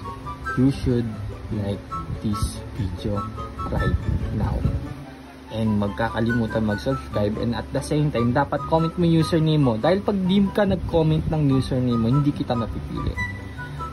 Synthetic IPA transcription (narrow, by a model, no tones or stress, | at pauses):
juʃʊd̪̚lajk̚d̪̥isvid̪joɹa̰jt̪̚na̰w | ʔɛnd̪mɐɡ̚kaːkɐlɪmuːt̪ɐnmɐɡsɛbskɹajbɛ̰̃nd̪ɐ̰t̪̚d̪ɐsejmt̪ajmd̪aːpɐt̪̚komɛnt̪̚moŋjuːsɛɹnimːod̪aːhɪlpɐɡ̚ld̪imkɐnɐɡ̚komɛnt̪̚nɐŋjuːsɛɹnimːohɪnd̪ikɪt̪amɐpipḭːlɪ̰ʔ